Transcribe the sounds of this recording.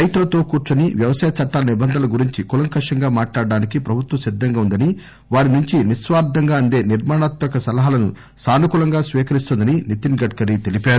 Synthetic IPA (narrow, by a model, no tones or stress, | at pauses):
ɐjt̪ulɐt̪o̞ːkuːɾt͡ʃɐniʋjɐʋɐsaːjɐt͡ʃɐʈːaːlɐnibɐnd̪ʱɐnlɐɡuɾiɲt͡ʃikulɐŋkɐʂɐŋɡaːmaːʈlaːɽɐɖaːnikipɾɐbʱut̪wɐsid̪ʱːɐŋɡaːund̪ɐni | ʋaːɾinuɲt͡ʃinisʋaːɾd̪ʱɐŋɡaːɐnd̪e̞ːniɾmaːɳaːt̪mɐkɐsɐlɐɦaːlɐnṵ | saːnukulɐŋɡaːsʋiːkɐɾist̪und̪ɐninit̪inɡɐʈ̚kɐɾit̪elipaːɾu